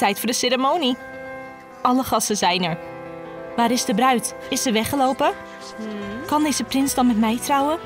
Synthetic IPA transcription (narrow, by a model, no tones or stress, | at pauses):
ɛjtfʊːɹdəsɪɾəmowni | ʔɑləχɑsəzɛjnəɹ | ʋaːɾɪzdəbrœɥt | ɪsəʋɛχəlowpə | kɑndejzəprɪnzdɑnmɛtmɛjtrɔwə